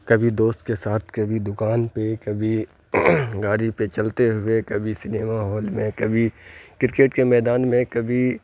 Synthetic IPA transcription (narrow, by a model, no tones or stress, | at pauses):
kɐbʱid̪oːst̪kesaːt̪ʰkɐbʱid̪ʊkaːnpekɐbʱi | ɡaːɾipet͡ʃɐlt̪eɦʊekɐbʱisɪneːmaɦɔːlmẽkɐbʱikɪɾɪkeːʈkemɛːd̪aːnmẽkɐbʱi